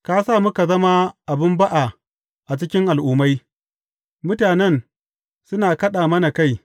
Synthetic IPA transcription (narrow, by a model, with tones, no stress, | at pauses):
kaː˦saː˦˨mʊ˦ka˨zɐ˦ma˦ʔa˨bɪ˦mba˦ʔa˨ | ʔa˨t͡ʃɪ˦kʲɪ˦ŋʔa˨lʔuː˦ma˦j | mʊ˦taː˨nɛ˦˨n | sʊ˦naː˨kɐ˦ɗaː˨mɐ˦na˨ka˦˨j